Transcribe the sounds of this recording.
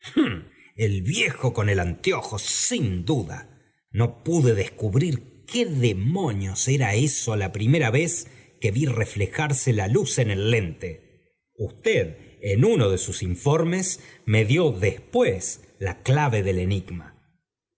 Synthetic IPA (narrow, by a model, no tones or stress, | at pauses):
elβjexoko̞ne̞lant̪joxosind̪uða̰ | no̞puðe̞ðeskuβɾiɾkeðemo̞njoseɾaesolapɾimeɾaβe̞ske̞βirefle̞xaɾselaluse̞ne̞lːe̞nt̪e | ust̪eðenunoðe̞susiɱfo̞ɾmesmeðjo̞ðespwes | laklaβe̞ðele̞niɡma̰